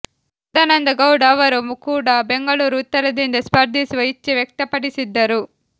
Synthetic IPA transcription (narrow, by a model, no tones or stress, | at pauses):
d̪aːnɐnd̪ɐɡɐwɽaːʋɐɾumukuːɽaːbeŋɡɐɭuːɾut̪ːɐɾɐd̪ind̪ɐspɐɾd̪ʱisiʋɐjit͡ʃːiʋjɐk̚t̪ɐpɐɽisid̪ːɐɾu